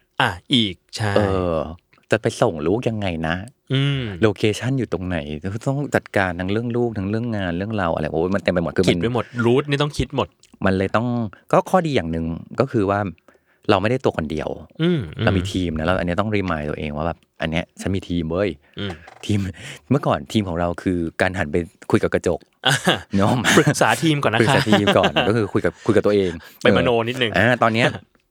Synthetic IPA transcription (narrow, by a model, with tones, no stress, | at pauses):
ʔa˧˩ʔiː˨˩k̚t͡ɕʰa˥ʔɤː˧ | t͡ɕa˨˩pa˧jso˨˩ŋluː˦˥k̚ja˧ŋːa˧jna˦˥ | ʔɯː˧loː˧kʰeː˧t͡ɕʰa˥˩njuː˨˩t̪o˧ŋna˩˦jt̪ɔ˥˩ŋt͡ɕa˨˩t̪̚kaː˧nt̪ʰa˦˥ŋɾɯ˥˩əŋluː˥˩k̚t̪ʰa˦˥ŋɾɯ˥˩əŋːaː˧nɾɯ˥˩əŋɾa˧wʔa̰˧ɾa˧˩˨wma˧nt̪e˧mpa˧jm̚˨˩kʰːm˨˦˧nba˧˩mo˨˩t̪̚ɾuː˦˥t̪̚niː˥˩t̪ɔ˥˩ŋkʰi˦˥t̪̚mo˨˩t̪̚ma˧nlɤː˧jt̪ɔ˥˩ŋkɔː˥˩kʰɔː˥˩diː˧jaː˨˩ŋnɯ˨˩ŋkɔː˥˩kʰɯː˧waː˥˩ | ɾa˧wma˥˩jda˥˩jt̪u˧ɐkʰɔ˧ndḭ˧əwɯː˧˩ma˧wmiː˧t̪ʰiː˧mna˦˥ɾa˧wʔa̰˨˧nːi˦˥˩t̪ɔ˥˩ŋɾiː˧˩maː˧jt̪u˧əʔḛː˧ŋwaː˥˩bɛ̰ː˨˩p̚ʔa̰˧nːi˦˥ɐt͡ɕʰa˦˥nmiː˧t̪ʰiː˧mwəː˧˩j | t̪ʰiː˧mmɯ˥˩ɐkɔː˨˩nt̪ʰiː˧mkʰɔː˩˦ŋɾa˧wkʰɯː˧kaː˧nɦa˩˦npa˧jkʰu˧jka˨˩kɾa˧t͡ɕo˨˩k̚ʔa˧ɲɔ˦˥mpk̚saː˩˦t̪ʰiː˧mkɔː˨˩na˦ɾssːt̪ʰiː˧mkɔ̰ː˨˧˨nkɔː˥˩kʰɯː˧kʰu˧jka˨˩p̚kʰu˧jk̚t̪ːʔeː˧ŋpaː˧ma˧˨noː˧ni˦˥nɯ˨˩ŋʔaː˧˩t̪ɔː˧nːi˦˥˧